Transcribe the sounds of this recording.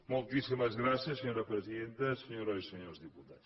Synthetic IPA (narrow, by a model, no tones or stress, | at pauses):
mulˠt̪isimɐzɣɾasɐsːəɲoɾɐpɾəziðẽnt̪ɐsəɲoɾoisəɲoɾzðiput̪a